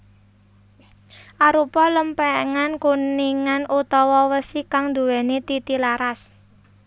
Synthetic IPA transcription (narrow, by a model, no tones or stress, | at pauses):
ʔaɾupɔləmpɛŋankuniŋanut̪ɔwɔwəsikaŋd̪ṳwɛnet̪it̪ilaɾas